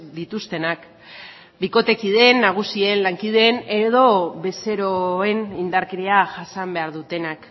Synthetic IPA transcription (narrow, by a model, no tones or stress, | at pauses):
d̪it̪ust̪e̞nak | biko̞t̪e̞kið̞e̞nːaɣ̞usienlaŋkið̞e̞ːne̞ð̞o̞βe̞se̞ɾo̞e̞nind̪aɾkeɾeaʝasambe̞aɾðut̪e̞nak